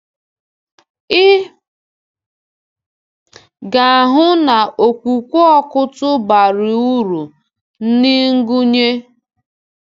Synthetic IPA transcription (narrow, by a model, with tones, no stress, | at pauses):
ɪ˦ | ɡa˨a˨ɦʊ˦na˨ʔo˨kʷu˨kʷu˦ɔ˦kʊ˦tʊ˦ba˨ɾɪ˨u˦ɾu˨ | n̩˦ni˦ŋ̩˦ɡu˦ɲe˦